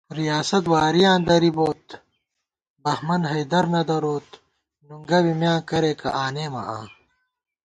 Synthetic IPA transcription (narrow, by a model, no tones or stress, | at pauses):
ɾijaːsɐt̪̬waːɾijãːnd̪ɐɾiboːt̪ | bɐhmɐnɦɐjd̪ɐɾnɐd̪ɐɾoːt̪ | nuŋɡɐwimjãːkɐɾeːkɐ̰ʔaːneːmɐ̰ʔã̰ː